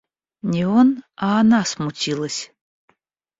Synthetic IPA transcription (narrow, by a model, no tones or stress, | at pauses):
nʲionaːnasmutʲʰilˠəsʲ